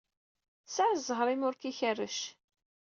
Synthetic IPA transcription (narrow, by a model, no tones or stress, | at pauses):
saʕzˤəʁɾˤimʊɾkiçərːə̰ʃ